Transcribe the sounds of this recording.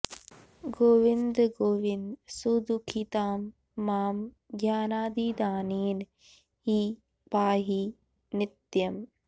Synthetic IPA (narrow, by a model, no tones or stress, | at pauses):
ɡoːʋɪnd̪ɡoːʋɪnd̪sud̪ukʰit̪aːmː | aːm | ɡjaːnaːd̪id̪aːneːn | ɦiː | paːɦi | nɪt̪jɐm